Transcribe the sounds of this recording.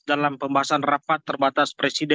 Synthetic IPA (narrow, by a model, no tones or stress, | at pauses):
dalampəmbaɦasanrafat̪ːərbat̪aspɾesidɛ